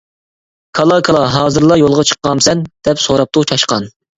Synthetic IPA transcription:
kʰɑlˠɑkʰɑlˠɑɦɑːzɨɾlˠɑjolˠʁɑt͡ʃʰə̥qːɑmsɛnd̪̥ɛpsoɾɑp̚t̪ut͡ʃʰɑʃqɑn

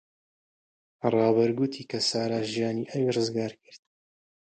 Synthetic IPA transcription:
rˤɑːβɐɾɡut̪ʰiːkɐsaːɾaːʒijaːniːʔɐwirɨzɡaːɾkɨɾt̪̚

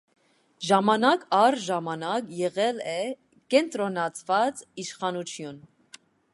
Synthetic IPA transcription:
ʒɑmɑnɑkʰɑɾʒɑmɑnɑkjɛʁɛlɛ | kɛnt̪ɾɔnɑt͡sʰvɑt͡siʃχɑnut͡ʃʰjun

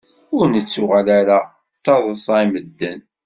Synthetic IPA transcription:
ʊɾnət͡sːʊʁalaɾa | θɑðˤəsˤɑiməd̪ːən

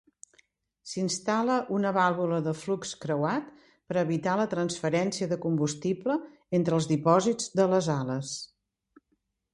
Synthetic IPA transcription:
sinst̪aləʔunəβalˠβuləðəflukskɾəwat̪ | pəɾəβit̪alət̪ɾənsfəɾɛnsiəðəkumbust̪iplə | ent̪ɾəlˠzðipɔzid͡zd̪ələzaləs

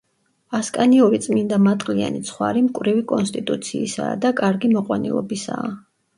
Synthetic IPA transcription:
askʼaniɔɾit̪sʼmind̪amat̪ʼqʼlia̰nit̪sʰχwa̰ɾimkʼwɾivikʼɔnst̪ʼit̪ʼut̪sʰiːsa̰ːd̪akʼaɾɡimɔqʼwanḭlˠɔ̰bisaː

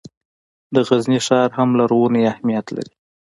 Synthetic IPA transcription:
d̪əɣazniʃɑɾhamlaɾwuneahmijat̪la̰ɾi

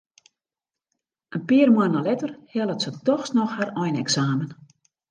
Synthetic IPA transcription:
ʔənpiərmwanəlɛtərhɛlˠətsətɔxsnɔxhaɾɔjnɛksaːmən

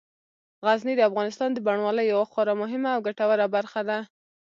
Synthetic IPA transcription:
ɣaznid̪əafɣɑnɪst̪ɑnd̪əbaɳwɑləjːawaxɑɾamʊɦɪmaːwɡaʈawaɾabaɾxad̪a

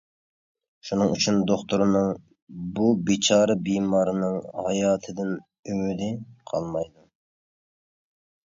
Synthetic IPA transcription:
ʃunɨŋyt͡ʃʰynd̪oχt̪uɾnɨŋ | bubit͡ʃʰɑːɾɨbimɑːɾɨnɨŋhɑjɑːt̪ʰɨd̪ɪn | ymyd̪ɪqʰɑ̰lˠmɑjd̪u

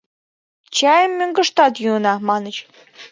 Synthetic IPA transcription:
t͡ɕɑjəmːøŋɡə̆ʃt̪ɑt̪juənɑmɑnət͡ɕ

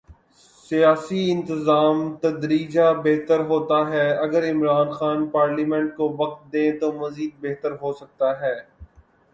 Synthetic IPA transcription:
sijaːsiɪ̃nt̪ɪzaːmt̪ɐd̪ɾiːd͡ʒabeɦt̪əɾɦoːt̪aɦɛːɐɡəɾɪmɾaːnxaːnpaːɾliːmɛ̃ɳʈkoʋɐq̚t̪̚d̪ẽːt̪omɐziːd̪̚beɦt̪əɾɦoːsɐk̚t̪aɦɛː

